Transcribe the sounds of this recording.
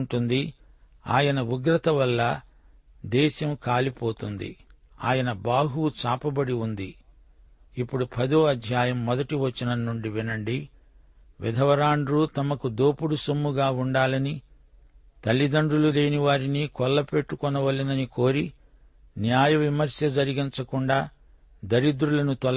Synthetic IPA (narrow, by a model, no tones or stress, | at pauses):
ɳʈund̪i | a̰ːjɐnɐuɡɾɐt̪ɐʋɐlːɐ | d̪ɛːʃɐmkaːlipoːt̪und̪ḭ | a̰ːjɐnɐbaːɦut͡ʃaːpɐbɐɽiund̪iː | pːuɽupʰɐd̪oːɐd̪ʱjaːjɐmːɔd̪ɐʈiʋɐt͡ʃːɐnɐnːuɳɖiʋinɐɳɖi | ʋḭd̪ʱɐʋɐɾaːɳɖɾuːt̪ɐmɐkud̪oːpuɽusomːuɡaːuɳɖaːlɐni | t̪ɐlːid̪ɐɳɖulule̞ːniʋaːɾinikɔlːɐpeʈːukɔnɐʋɐlːinɐniko̞ːɾi | njaːjɐʋimɐɾsjɐd͡ʒɐɾiɡint͡ʃɐkuɳɖaː | d̪ɐɾid̪ɾulɐnut̪ɐl